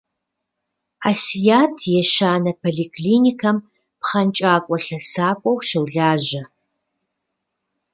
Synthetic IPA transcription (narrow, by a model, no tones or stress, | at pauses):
aːsijaːtʰjɛʃaːnɐpʰoɮikʰʼliːnikʰɐm | pχɐnt͡ʃʼaːkʷʼɔɬɐsaːkʷʼɔwʃɐwɮaːʑɐ